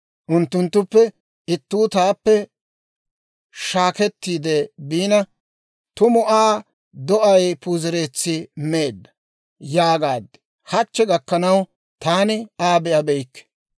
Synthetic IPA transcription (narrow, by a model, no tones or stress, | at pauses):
ʔʊnt̪ːʊnt̪ːʊpːɛ | ɪt̪ːuːt̪aːpːɛ | ʃaːkɛt̪ːiːd̪ɛbiːnɐ | t̪ʊmʊʔaː | d̪ɔʔɐjpuːzɪɾe̞ːt͡sːɪmeːd̪ːɐ̥ | jaːɡaːd̪ːɛ̥ | hɐt͡ʃːɛɡɐkːɐnɐw | t̪aːnɪaːbɛʔɐbɛjkːɛ̥